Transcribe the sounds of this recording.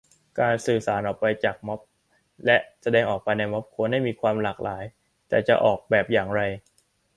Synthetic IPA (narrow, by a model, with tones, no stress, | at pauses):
kaː˧nsɯː˨˩saː˩˦nʔɔː˨˩k̚pa˧jt͡ɕaː˨˩k̚mɔ˦˥p̚ | lɛ˦˥ʔsa˧dɛː˧ŋʔɔː˨˩k̚pa˧jna˧jmɔ˦˥p̚kʰoː˧na˥˩jmiː˧kʰwaː˧mlaː˨˩k̚lʔaː˩˦j | t̪ɛː˨˩t͡ɕa˨˩ʔɔː˨˩k̚bɛː˨˩p̚jaː˨˩ŋɾa˧j